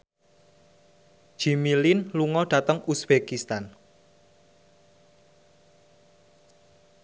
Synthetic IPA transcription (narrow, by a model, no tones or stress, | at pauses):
d͡ʒ̥imilinluŋɔɖ̥ä̤t̪əŋusb̥ekist̪an